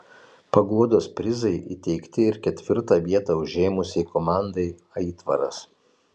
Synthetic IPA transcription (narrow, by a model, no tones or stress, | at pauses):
pɐɡuɔd̪oːspʲɾʲɪzɐɪʔḭt̪ʲɛɪkt̪ʲɪɪɾkʲɛt̪ʲʋʲɪɾt̪ɑːʋʲiɛt̪ɑʊʒʲeːmʊsʲɛɪkomɑˑnd̪ɐɪ | ɐit̪ʋɐɾɐ̰s